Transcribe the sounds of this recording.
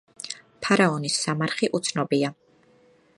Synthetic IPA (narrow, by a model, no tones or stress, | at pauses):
pʰaɾaɔnisːamaɾχiʔut̪sʰnɔbia